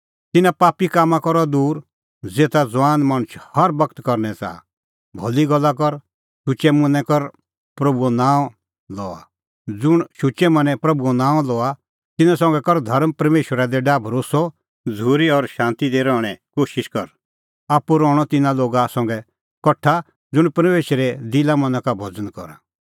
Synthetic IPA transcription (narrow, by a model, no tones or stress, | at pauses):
t̪ɪnãpaːpikaːmãkɔɾɔd̪uːɾ | d͡zeːt̪ad͡zʋaːnmaɽ̃ʊʃhɐɾbɐkt̪kɔɾnɛt͡sa̰ː | bʱɔliɡɔlːakɔɾ | ʃʊt͡ʃɛmʊ̃nɛ̃kɔɾ | pɾɐbuɔnaːɔ̃ | lɔːa̰ | d͡zʊɽ̃ʃʊt͡ʃɛmɐ̃nɛ̃pɾɐbuɔnãːɔ̃lɔa | t̪ɪnãsɔ̃ŋɡɛkɔɾd̪ʱɐɾmpɐɾmeːʃwəɾad̪ɛɖaːbʱɾoːsɔ | d͡zuːɾiɔɾʃãːnt̪id̪eɾɔːɽ̃ɛkoːʃɪʃkɔɾ | aːpuɾɔ̃ːɔt̪ɪnãloːɡasɔ̃ŋɡɛ | kɔʈʰːa | d͡zʊɽ̃pɐɾmeːʃɾɛd̪ɪlamɐ̃nãkabʱɔd͡zənkɔ̰ɾa̰